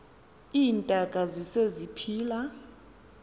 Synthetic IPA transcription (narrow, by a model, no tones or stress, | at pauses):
iːntʼaɡ̥ʼʱazisezipʰiːla